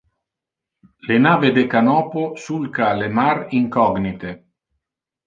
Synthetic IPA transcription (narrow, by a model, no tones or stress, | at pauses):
lenaːved̪ekanɔːposulkalemaɾiŋkɔɡnit̪e